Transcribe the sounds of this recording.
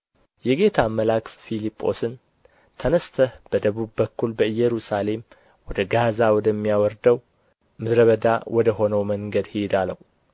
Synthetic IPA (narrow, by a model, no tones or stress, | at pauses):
jɛɡe̞t̪ʰaməlakffilipʼːo̞sɨn | t̪ʰənəst̪ʰəhb̥əd̪əβuβːəkːulbəɨjːɛɾusale̞m | wɔd̪əɡazawɔd̪əmːijawɔɾd̪əw | mɨd̪ɾəβəd̪a̰wʔɔd̪əɦo̞nəwməŋɡəd̪hid̪aləhu